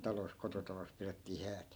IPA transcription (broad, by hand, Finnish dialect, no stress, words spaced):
tɑlos kototɑlos piretːiː hæːt